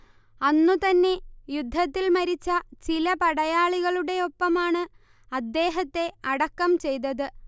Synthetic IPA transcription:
ɐnːut̪ɐnːe̞jud̪ʱːɐt̪ːilmɐɾit͡ɕːɐt͡ɕilɐpɐɽɐjaːɭiɣɐɭuɽe̞o̞pːɐmaːɳɨ | ɐd̪ːe̞ːɦɐt̪ːe̞ɐɽɐkːɐmt͡ɕe̞jt̪̬ɐðɨ

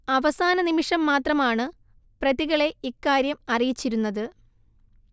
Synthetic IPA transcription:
ɐʋɐsaːnɐnimiʂɐmːaːt̪rɐmaːɳɨ | prɐðiɣɐɭe̞ikːaːɾjɐmɐrijit͡ɕːiɾunːɐðɨ

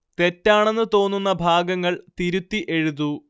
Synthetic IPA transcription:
t̪e̞tːaːɳe̞nːɨt̪o̞ːnːunːɐbʱaːɡɐŋːɐɭt̪iɾut̪ːiʔe̞ɻuðu

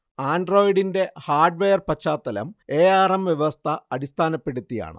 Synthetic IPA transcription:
aːnɖro̞ːjiɽinde̞haːrɖʋeːjɐrpɐt͡ɕːaːt̪ːɐlɐ̰me̞ːjaːrɐmʋjeʋɐst̪ʰɐɐɽist̪ʰaːnɐpːe̞ɽut̪ːija̰ːɳɨ̰

